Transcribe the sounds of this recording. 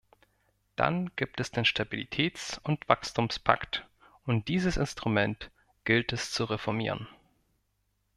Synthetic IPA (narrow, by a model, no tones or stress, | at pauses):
d̥a̰nɡ̥iːp̚tɛsd̥eːnʃtʰabilḭtʰɛːt͡sʊntv̥a̰kstʰuːmspʰa̰kt | ʊnt̚d̥iːzəsɪnstʁ̥umɛnt | ɡ̥ɪltɛst͡suʁefɔɐmḭːʁ̞ən